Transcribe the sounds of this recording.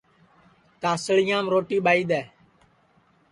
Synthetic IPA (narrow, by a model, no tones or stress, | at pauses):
t̪aːsəɭɪjãːmɾoːʈiːɓaːiːd̪ɛː